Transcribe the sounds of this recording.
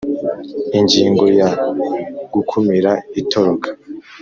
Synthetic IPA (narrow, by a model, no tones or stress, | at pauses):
iɲɟiːŋɡo̞ja | ɡ̥ukʰumiɾaitʰoɾokʰḁ